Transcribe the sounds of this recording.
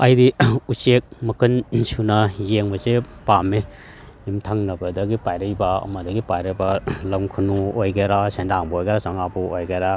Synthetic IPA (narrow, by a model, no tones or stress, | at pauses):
ajdiusek̚mɐkʰɯnsunajeŋbɐzepame | imtʰaŋnɐbɐdɐɡipajɾɐjbaɐ̰mɐdɐɡipajɾɐjbalɐmkʰunuojɡeɾasendaŋbɐojɡeɾasaŋabuojɡeɾa